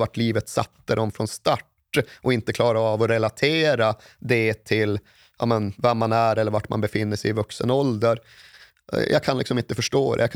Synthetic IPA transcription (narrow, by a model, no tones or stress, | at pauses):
vaʈliːvət̪sa̰t̪ːəd̪ɔmfɾɔnst̪aʈː | ʔɔɪnt̪əkʰlɑːɾaːvɔɾɛlat̪ʰeːɾad̪ɛt̪ʰɪl | ɑ̰ːmənvɛmːanæɾɛlːəɾvaʈma̰nbɛfɪnːəʂɛjɪvɵksənɔld̪əɾ | jʔa̰ɡkʰanlɪksɔmɪnt̪əfœʂʈoːd̪ɛ̰jaɡkʰ